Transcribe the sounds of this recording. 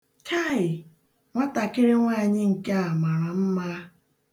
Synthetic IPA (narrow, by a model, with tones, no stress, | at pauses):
t͡ʃʰa˦˨ɪ˨ | ŋʷa˦ta˨kɪ˦ɾɪ˦ŋʷaː˦˨ɲɪ˦ŋ̩˨ke˦a˨ma˨ɾa˨m̩˦ma˦